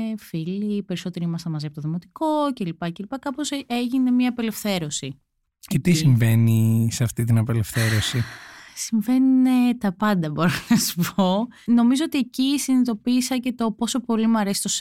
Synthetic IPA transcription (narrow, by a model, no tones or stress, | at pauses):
filipe̞ɾiso̞t̪eɾiimɐst̪ɐmɐziɐpot̪oðimo̞t̪i̥ko̞ce̞lipɐce̞lipɐkɐpo̞seʝine̞miɐːpe̞le̞fθe̞ɾo̞si | cet̪isiɱve̞niseɐft̪it̪inɐpe̞le̞fθe̞ɾo̞sisiɱve̞nunet̪ɐpɐnd̪ɐbo̞ɾonɐsu̥po̞no̞mizo̞ot̪ie̞cisinit̪o̞piːsɐce̞t̪o̞po̞so̞po̞limɐɾesi̥t̪os